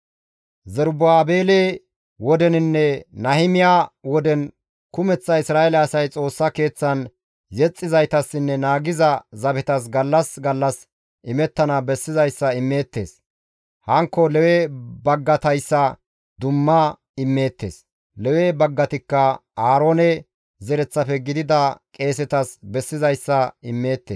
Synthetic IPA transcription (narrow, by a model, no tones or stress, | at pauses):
zɛɾbʊaːbeːle | wɔd̪ɛnɪnːɛnɐhɪmɪjaːwɔd̪ɛn | kʊmɛt͡sːɐɪsɾaːɛlɛɐsɐjt͡sʼo̞ːsːɐke̞ːt͡sːɐn | jɛt͡sʼːɪzɐjt̪ɐsːɪnːɛnaːɡɪzɐzɐbɛt̪ɐs̬ɡɐlːɐsɡɐlːɐs | ʔɪmɛt̪ːɐnɐbɛsːɪzɐjsːɐɪmːe̞ːt̪ːe̞ːs | hɐŋkːɔlɛwebɐɡːɐt̪ɐjsːɐ | d̪ʊmːɐ | ɪmːe̞ːt̪ːe̞̰ːs | lɛwebɐɡːɐt̪ɪkːɐaːɾoːnɛ | zɛɾɛt͡sːɐfɛɡɪd̪ɪd̪ɐkʼe̞ːs̬ɛt̪ɐsbɛsːɪzɐjsːɐɪmːe̞ːt̪ːeː